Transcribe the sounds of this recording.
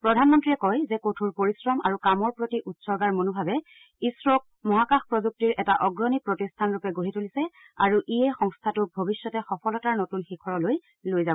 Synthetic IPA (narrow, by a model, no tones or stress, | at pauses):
pɹɔdʱanmɔntɹijɛkɔjzɛkotʰuɹpoɹisɹɔma̰ɹukamɔɹpɹotiʔutsɔɹɡaɹmonubʱabɛ | isɹok̚mɔɦakaxpɹɔzuk̚tiɹʔɛtaʔɔɡɹɔnipɹotistʰanɹupɛɡoɦitʰulisɛ | a̰ɹuʔiɛxɔŋstʰatʊbʱobisjɔtɛxɔpʰɔlɔtaɹnotunxikʰɔɹɔloj | lojzabɔ